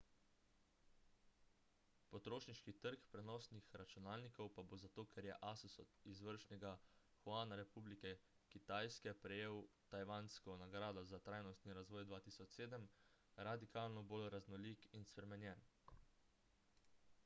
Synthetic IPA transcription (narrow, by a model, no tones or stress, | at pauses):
pɔt̪ɾoːʃniʃkit̪əɾkpɾɛnɔsnixɾat͡ʃunaːlnikɔwpabozat̪oːkʰɛɾjɛ̰ʔasusɔ̰d̪izʋəɾʃnɛɡa | xwaːnaɾɛpublikɛ | kit̪aːjskɛpɾɛjeːwt̪ajʋaːnskɔnaɡɾaːd̪ɔzat̪ɾaːjnɔst̪niɾazʋɔːjd̪ʋaːt̪isɔt͡ʃseːd̪əm | ɾad̪ikaːlnɔbolɾaznɔlikinspɾɛmɛnjɛːn